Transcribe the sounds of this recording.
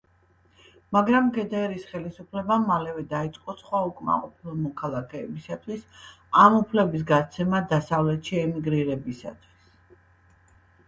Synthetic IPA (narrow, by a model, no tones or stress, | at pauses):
maɡɾamɡɛd̪ɛɾisχɛlisupʰlɛbamalɛvɛd̪ait̪sʼqʼɔsχwaukʼma̰qʼɔpʰilˠmɔkʰalˠakʰɛːbisat̪ʰwis | amupʰlɛbis̬ɡat̪sʰɛmad̪asavlɛt̪ʃiɛmiɡɾiɾɛbisa̰t̪ʰwis